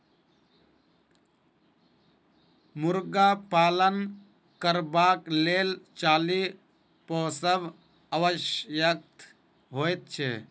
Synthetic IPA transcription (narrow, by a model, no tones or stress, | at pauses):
mʊɾɡapaːlən | kəɾbaːkleːlt͡ʃaːli | pɔːsəb | əʋəʃjək̚t̪ʰ | ɦoːjt̪̚t͡ʃʰḛ